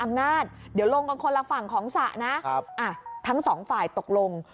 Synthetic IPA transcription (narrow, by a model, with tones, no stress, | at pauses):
ʔa˧mnaː˥˩t̪̚di˩˦wlo˧ŋka˧nkʰo˧la˧fa˨˩ŋkʰɔː˩˦ŋsa˨˩ʔna˦˥˦p̚ʔa˧˩t̪ʰa˦˥ŋsɔː˩˦ŋfaː˨˩jt̪o˨˩k̚lo˧ŋ